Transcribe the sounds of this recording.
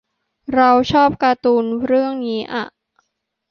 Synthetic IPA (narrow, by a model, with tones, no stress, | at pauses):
ɾa˧wt͡ɕʰɔː˥˩p̚kaː˧t̪uː˧nɾɯ˥˩əŋniː˦˥ʔa̰˨˩ʔ